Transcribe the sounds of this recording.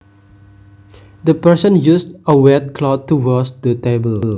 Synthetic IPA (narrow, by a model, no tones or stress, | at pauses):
dəpɛsə̃njusdəwɛt̚kʰlɔt̚tːuwɔsdətebəll